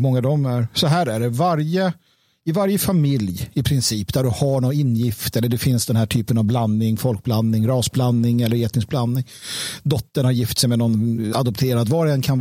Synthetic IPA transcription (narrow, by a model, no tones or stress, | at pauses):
mɔŋːad̪ɔmæɾsɔɦæːɾæɖɛvaɾjə | ɪvaɾjəfamɪljɪpʰɾɪnsiːpd̪æɖɵhaɳɔnɪnːjɪft̪ɛlːəɖɛfɪnsd̪ɛnɦæːʈʰyːpənavblannɪŋfɔlk̚blanːɪŋɾɑːsblanːɪŋɛlːəɾeːt̪nɪŋsblanːnɪŋ | d̪ɔt̪ːəɳhaɾjɪft̪sɛjmɛnɔnad̪ɔpt̪ʰeːɾad̪vɑɾɛnkʰan